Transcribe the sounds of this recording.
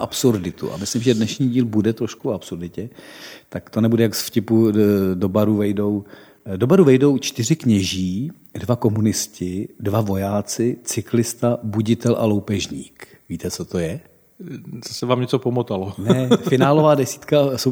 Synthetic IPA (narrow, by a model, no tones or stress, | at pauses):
ʔapsuɾdɪt̪ṵʔa̰mɪslɪmʒɛdnɛʃɲiːɟiːlbudɛt̪ɾo̞ʃkuapsuɾdɪcɛt̪akt̪o̞nɛbudɛjaksfcɪpudo̞baɾuvɛjdo̞w | do̞baɾuvɛjdo̞wt͡ʃt̪ɪr̝ɪkɲɛʒiː | dvako̞munɪscɪdvavo̞jaːt͡sɪt͡sɪklɪst̪abuɟɪt̪ɛlʔa̰lo̞wpɛʒɲiːk | viːt̪ɛt͡so̞t̪o̞jɛ | t͡sosɛvaːmɲɛt͡sopomot̪alonɛfɪnaːlovaːdɛsi̥ːt̪kasow